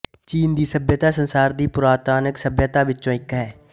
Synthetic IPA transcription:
t͡ʃiːnd̪iːsəbjət̪aːsənsaːɾd̪iːpʊɾaːt̪aːnəksəbjət̪aːʋɪtːt͡ʃõːɪkɦɛː

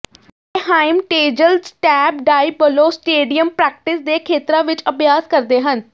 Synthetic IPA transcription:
ɦaːɪmʈeːd͡ʒəlsʈɛːb̚ɖaːibəloːsʈeːɖijəmpɾɛːk̚ʈɪsd̪eːkʰeːt̪ɾãːʋɪt͡ʃəpjaːskəɾd̪eːɦən

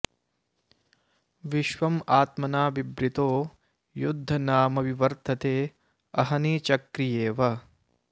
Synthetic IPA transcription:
ʋiʃʋɐmaːt̪mɐnaːʋibɾit̪oː | jud̪ʱːɐnaːmɐʋiʋɐɾt̪ʰɐt̪eː | ɐɦɐniːt͡ʃɐkɾijeːʋɐ

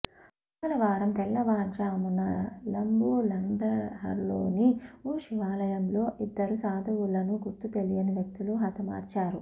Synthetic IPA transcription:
ɐlɐʋaːɾɐmt̪ɛlːɐʋaːnt͡ʃaːmunɐlɐmbuːlɐnd̪ɐɦɐ̰ɾlo̰ːniuːʃiʋaːlɐjɐmlo̞ːʔid̪ːɐɾusaːd̪ʱɐʋulːɐnuɡuɾt̪ːut̪elijɐniʋjɐk̚t̪uluɦɐt̪ʰɐma̰ːɾt͡ʃaːɾu

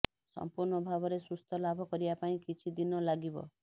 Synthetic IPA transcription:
sɔ̰mpuɾɳɔbʱabɔɾesust̪ʰɔlabʱɔkɔɾibapaĩkit͡ʃʰid̪inɔlaɡibɔ̰

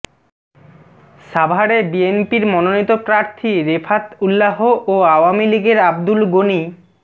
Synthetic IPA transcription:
ʃabʱaɽebienpiɾmɔnonit̪opɾaɾt̪ʰiɾefʰat̪ulːaɦoʔoawamiliɡeɾab̚d̪ulɡoni

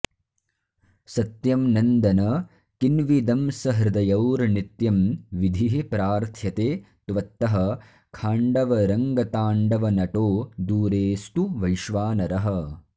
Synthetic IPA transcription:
sɐt̪jɐmnɐnd̪ɐnɐ | kinʋid̪ɐmsɐɦɾɪd̪ɐjɐwɾnit̪jɐmʋid̪ʱiɦepɾaːɾt̪ʰjɐt̪eː | t̪ʋɐt̪ːɐɦɐ | kʰaːɳɖɐʋɐɾɐŋɡɐt̪aːɳɖɐʋɐnɐʈoːd̪uːɾeːst̪uʋɐjʃʋaːnɐɾɐɦɐ̆

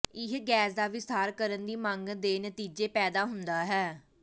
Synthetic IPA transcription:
ɪɦɡɛːsd̪aːʋɪst̪aːɾkəɾənd̪iːmãŋɡd̪eːnət̪iːd͡ʒeːpɛːd̪aːɦʊnd̪aːɦɛː

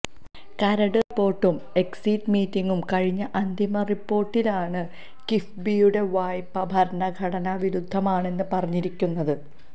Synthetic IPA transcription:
kɐɾɐɽɨrpːo̞ːrʈːum | e̞ksitmiːtːiŋɡumkɐɻiɲːɐʔɐnd̪ʱimɐripːo̞ːrʈːilaːɳɨ | kifbijuɽe̞ʋaːjpːɐbʱɐɾɐɳɐɡʱɐɽɐnɐʋiɾud̪ʱːɐmaːɳe̞nːɨpɐrɐɲːiɾikʲːunːɐðɨ

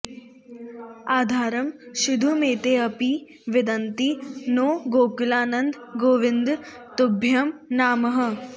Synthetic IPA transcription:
aːd̪ʱaːɾɐmʃid̪ʱumeːt̪eːɐpi | ʋɪd̪ɐnt̪inoːɡoːkulaːnɐnd̪ɡoːʋɪnd̪ | t̪ubʱjɐmnaːmɐɦə̆

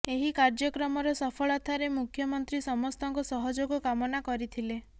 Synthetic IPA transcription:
eɦikaɾd͡ʒɔkɾɔmɔɾɔsɔpʰɔɭɔt̪ʰaɾemukʰjɔmɔnt̪ɾisɔmɔst̪ɔŋkɔsɔɦɔd͡ʒoɡɔkamɔnakɔɾit̪ʰile

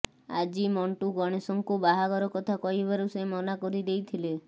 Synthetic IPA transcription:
a̰d͡ʒimɔɳʈuɡɔɽ̃esɔŋkubaɦaɡɔɾɔkɔt̪ʰakɔjbaɾusemɔnakɔɾid̪ejt̪ʰile

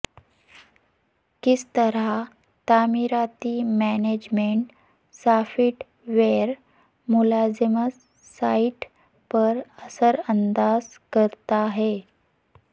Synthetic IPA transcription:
kist̪əɾa | t̪amiɾat̪iːmæned͡ʑmeɳʈ | safiʈ | ʋeɾ | mulad͡zəmə | saiʈ | pəɾəsəɾənd̪ad͡zkəɾt̪aɦe

